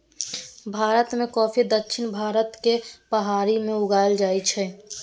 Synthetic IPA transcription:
bʱaːɾət̪mẽkɔːpʰid̪əkːʃʰɪnbʱaːɾət̪kepəɦaːɾimẽʊɡaːjld͡ʒaːjt͡ʃʰɛ

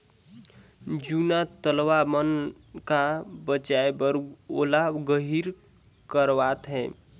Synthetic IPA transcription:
d͡ʒunat̪əlʋamən | kabət͡ʃaebəɾolaɡəɦiɾ | kəɾʋat̪ɦɛ̃

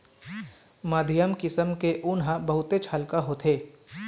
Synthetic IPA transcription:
maːd̪ʱɪjəmkɪsəmkeʔʊnɦãbɐɦʊt̪et͡ʃʰaːlkaɦot̪ʰeː

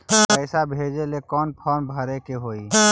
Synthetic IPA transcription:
pəɪsabʱed͡ʒelekɔːnpʰɔːnbʱəɾekeɦoːi

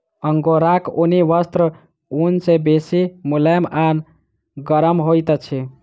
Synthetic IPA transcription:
əŋɡoɾakoniʋəst̪ɾə | unsebesimuleman | ɡəɾəmɦojt̪t͡ʃʰi

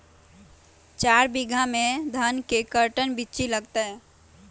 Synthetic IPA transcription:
t͡ʃaːɾbiɡʱamẽd̪ʱənkekəɾʈənbitːt͡ʃiləɡt̪əɛ

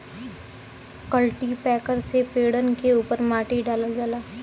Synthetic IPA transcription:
kəlʈipɛːkəɾsepeːɽənkeuːpəɾmaːʈiɖaːlad͡ʒaːlaː

